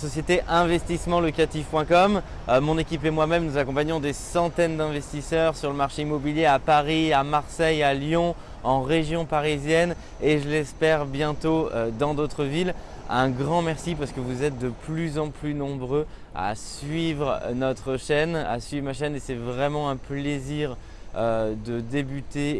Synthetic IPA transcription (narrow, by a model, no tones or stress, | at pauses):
sɔsjet̪eʔɛ̃vɛst̪ismɑ̃lɔkat̪ifpwɛ̃kɔm | mɔ̃nekʲipemwamɛmnuzakɔ̃paɲɔ̃d̪esɑ̃t̪ɛnd̪ɛ̃vɛst̪isœʁsyʁləmaʁʃeimɔbiljeapaʁiamaʁsɛjaljɔ̃ | ɑ̃ʁeʒjɔ̃paʁizjɛn | eʒəlɛspɛʁbjɛ̃t̪oød̪ɑ̃d̪ot̪χəvil | ɛ̃ɡʁɑ̃mɛʁsipaʁsə̥kəvuzɛt̪̚d̪əplyzɑ̃plynɔ̃bʁøa̰sɥivʁnɔt̪χəʃɛna̰sɥivʁmaʃɛnesɛvʁɛmɑ̃ɛ̃pleziʁ | ød̪əd̪ebyt̪e